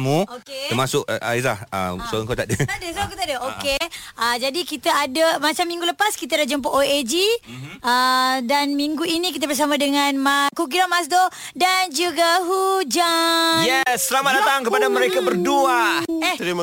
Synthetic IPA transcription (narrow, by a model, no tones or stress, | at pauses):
muokeəmasʊka̰iahə̰msoaŋkat̪aʔdət̪aʔdəsoãŋkaowt̪aʔdəokeʔəd͡ʒadikit̪aadəmat͡ʃamiŋɡuləpaskit̪̬adad͡ʒəmp̬oʔoed͡ʒiədanmiŋɡuinĩk̬it̪̬əbərs̬amãdəŋãnmakuk̬iɾamas̬do | dand͡ʒuɡaɦud͡ʒajɛsːəlamat̪̚dat̪aŋkəpadaməɾekabərduat̪ɾi